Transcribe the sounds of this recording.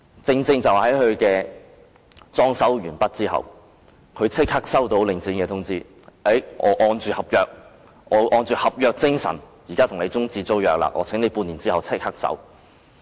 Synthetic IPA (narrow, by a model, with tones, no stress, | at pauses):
t͡sɪ˧ŋt͡sɪ˧ŋt͡sɐ˨whɐ˨˥jhɵ˨˧ɥkɛː˧ | t͡sɔː˥ŋsɐ˨˥wɥyː˨˩npɐ˥t̚t͡siː˥hɐ̰˨w | kʰɵ˨˧t͡sʰɪ˥k̚hɐ˥k̚sɐ˥wt̪o˧wlɪ˨ŋt͡si˨˥nkɛː˧t̪ʰʊ˥ŋt͡siː˥ | e˨˥jŋɔ̰ː˨˧ʔɔː˧nt͡ʃyː˨˩hɐ˨p̚jœː˨k̚ | ʔɔː˨˧ʔɔː˧nt͡ʃyː˨hɐ˨p̚jœː˨˧k̚t͡sɪ˥ŋsɐ̰˨˩n | ji˨˩kaː˥t̪ʰʊ˨˩ŋle˨˧t͡sʊ˥ŋt͡siː˧t͡so˥wjœː˨k̚la̰ː˧ʔɔː˨˧t͡sʰɪ˨˥ŋne˨˧jpuː˧niː˨˩nt͡siː˥hɐ˨wt͡sʰɪ˥k̚hɐ˥k̚sɐ̰˨˥w